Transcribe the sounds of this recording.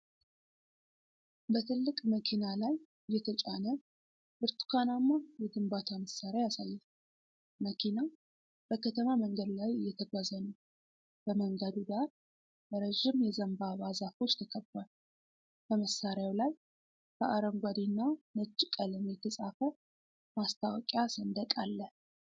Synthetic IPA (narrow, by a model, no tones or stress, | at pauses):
bət̪ʰɨlːɨkʼməkʰinalaj | jɛt̪ʰət͡ʃʼanə | bɨɾt̪ʰu̥kʰanamːajɛɡ̪ɨmbat̪ʰaməsːaɾajasajːɛl | məkʰina | b̥əkʰət̪ʰəmaməŋɡəd̪lajɨjːɛt̪ʰəɡʷazənəw | b̥əməŋɡəd̪uɡ̪aɾ | bəɾəʒɪmjɛzəmbabazafo̞t͡ʃːt̪ʰəkʰəbːa | b̥əməsːaɾjawlaj | b̥əʔaɾəmɡʷad̪inːanəd͡ʒːkʼələmjɛt̪ʰəsʼafə | mast̪ʰawɔkʼjasənd̪əkʼalːə